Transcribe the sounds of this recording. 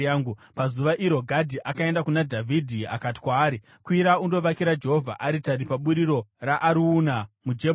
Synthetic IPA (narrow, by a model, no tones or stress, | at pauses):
aŋɡupazuʋaʔiɾo̞ɡʱadʱiʔakae̞ndakunadʱavʱidʱia̰kati̥kwaːɾi | kwiɾaundo̞ʋakiɾad͡ʒe̞ɦovʱa̰ʔaɾitaɾipaɓuɾiɾo̞raʔːɾuːnamud͡ʒe